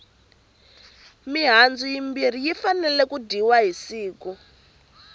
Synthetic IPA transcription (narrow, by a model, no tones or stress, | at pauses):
miɦand͡zujimbir̤ijifanɛlɛkudiwaɦisiːku